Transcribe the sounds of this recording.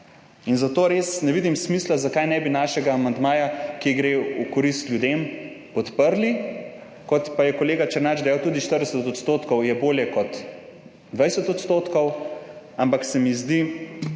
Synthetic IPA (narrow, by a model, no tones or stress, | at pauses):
inzat̪oːɾeːsnɛʋid̪imsmislazakajnɛbinaːʃɛɡaːmand̪maːjakiɡɾeukɔɾist̪lʲjud̪em | pɔt̪pəɾli | kɔt̪pajɛkɔleːɡat͡ʃəɾnad͡ʒd̪ɐjawt̪uːd̪iʃt̪əɾd̪ɛsət̪ɔt̪st̪oːt̪kɔwjɛboːljɛkɔt̪ | d̪ʋajsɛt̪ɔt̪st̪oːt̪kɔw | ampaksɛmizd̪i